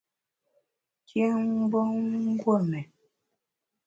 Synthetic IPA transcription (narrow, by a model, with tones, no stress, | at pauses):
kʰjɛ˦ŋ˦bɔ˦ŋ̩˦ɡwo˦˨mɛ˨